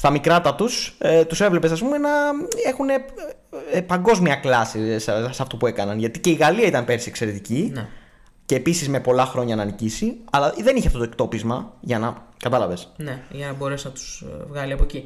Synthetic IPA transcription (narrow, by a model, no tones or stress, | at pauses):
st̪ɐmikɾɐt̪ɐt̪uset̪usevlepesɐs̬pumenɐe̞xune̞ | pɐŋɡo̞zmiɐklɐsissɐft̪upue̞kɐnɐnʝɐt̪ice̞iɣɐliɐit̪ɐnpe̞ɾsiekse̞ɾe̞t̪ici | ce̞ːpisizme̞po̞lɐxɾo̞ɲɐnɐnicisiɐlɐðe̞niçeɐft̪ot̪oek̚t̪o̞pizmɐʝɐnɐkɐt̪ɐlɐve̞sneʝɐnɐbo̞ɾesnɐt̪u̥zvɣɐliɐpoci